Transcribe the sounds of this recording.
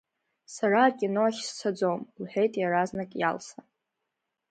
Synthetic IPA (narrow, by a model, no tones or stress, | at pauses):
saɾaːkʲʼinoaχʲst͡sʰad͡zomlħᶣe̞jtʼjaɾaznakʼja̰lsa